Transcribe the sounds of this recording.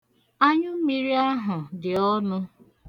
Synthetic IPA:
a˦ɲʊ˦m̩˦mi˦ɾi˦a˦ɦʊ˨dɪ˨ɔ˦nʊ˦

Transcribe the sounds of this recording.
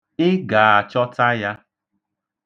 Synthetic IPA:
ɪ˦ɡa˨a˨t͡ʃɔ˦ta˦ja˦

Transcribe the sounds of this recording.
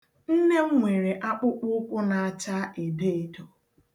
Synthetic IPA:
n̩˦ne˦ŋ̩˦ŋʷe˨ɾe˨ʔa˦k͡pʊ˦k͡pʊ˦kʷʊ˦na˨a˦˨t͡ʃa˦ʔe˨de˦e˨do˨

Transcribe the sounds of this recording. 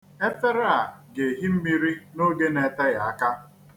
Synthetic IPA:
e˦te˦ɾa˦˨ɡe˨ɦi˦m̩˦mi˦ɾi˦no˦ɡe˦ne˨ta˦ja˨a˦˨ka˦

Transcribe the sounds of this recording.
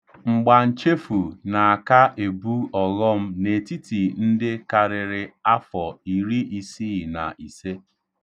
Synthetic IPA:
ŋ͡m̩˨ɡ͡ba˨n̩˨t͡ʃe˦fu˨na˨a˨ka˦ʔe˨bu˦ɔ˨ɣɔ˦m̩˦ne˨ti˦ti˨n̩˦dɪ˦ka˨ɾɪ˨ɾɪ˨a˦fɔ˨i˨ɾi˦i˨si˦˨na̰˨ʔi˨se˦

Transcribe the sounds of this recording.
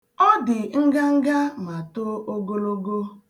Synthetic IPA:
ɔ˦dɪ˨ŋ̩˦ɡa˦ŋ̩˦ɡa˦ma˨to˦o˦ɡo˦lo˦ɡo˦

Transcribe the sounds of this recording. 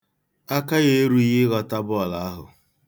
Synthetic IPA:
a˦ka˦ɣe˦e˦ɾu˦i˦ɦɪ˦ɣɔ˨ta˦bʊ˦ɔ˨la˨a˦ɦʊ̰˨

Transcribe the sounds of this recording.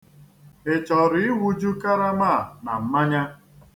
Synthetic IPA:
e˨t͡ʃɔ˨ɾi˦wu˦d͡ʒu˦ka˦ɾa˦ma˦˨na̰˨m̩˦ma˦ɲa˦

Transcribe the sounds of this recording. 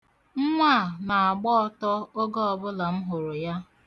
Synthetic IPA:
ŋ̩˦ŋʷa˦˨ma˨a˨ɡ͡bɔ˦ɔ˦tɔ˦o˦ɡɔ˦ɔ˨bʊ˦la˨m̩˦ɦʊ˨ɾʊ˨ja˦

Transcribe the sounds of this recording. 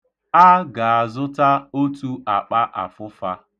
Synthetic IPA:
a˦ɡa˨a˨zʊ˦ta˦o˦tu˦a˨k͡pa˦ʔa̰˨fʊ˦fa˦

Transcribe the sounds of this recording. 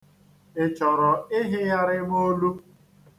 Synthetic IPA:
ɪ˨t͡ʃɔ˨ɾɔ˨ɪ˦ɦɪ˦ja˦ɾɪ˦mo˦lu˦

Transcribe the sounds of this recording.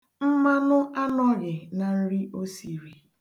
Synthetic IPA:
m̩˦ma˦nʊ˦ʔa˦nɔ˦ɣɪ˨na˨n̩˦ɾi˦ʔo˦si˨ɾi˨

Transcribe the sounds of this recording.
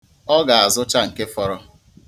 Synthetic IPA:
ɔ˦ɡa˨a˨zʊ˦t͡ʃa˦ŋ̩˨ke˦fɔ˦ɾɔ˦

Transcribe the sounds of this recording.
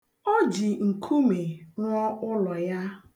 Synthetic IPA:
ɔ˦d͡ʒi˨ŋ̩˨kʰu˦me˨ɾɔ˦ʊ˦lɔ˨ja˦

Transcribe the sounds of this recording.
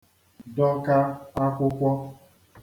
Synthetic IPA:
dɔ˦ka˦a˦kʷʊ˦kʷɔ˦

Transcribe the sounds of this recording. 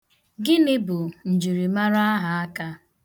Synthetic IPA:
ɡɪ˦nɪ˦bʊ˨n̩˨d͡ʒi˨ɾi˨ma˦ɾa˦a˦ɦa˨a˦ka˦

